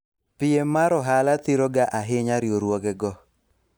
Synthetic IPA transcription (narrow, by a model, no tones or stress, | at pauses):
pɪemaɾɔɦalat̪ɪɾoɡaʔaɦɪɲaɾjoɾwoɡɛɡɔ